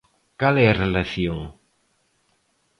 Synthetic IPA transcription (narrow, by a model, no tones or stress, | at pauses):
kalɛarelaθjoŋ